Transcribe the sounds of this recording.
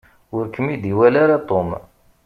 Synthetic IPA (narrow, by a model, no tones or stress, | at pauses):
ʊɾkəmːid̪iwælaɾat̪ˤom